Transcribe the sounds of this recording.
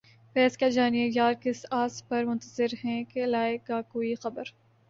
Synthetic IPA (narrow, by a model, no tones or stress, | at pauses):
fɛːskad͡ʒaːniejaːɾkɪsaːspɐɾmʊ̃nt̪əzɪɾɦɛ̃kelaːekakoːixɐbəɾ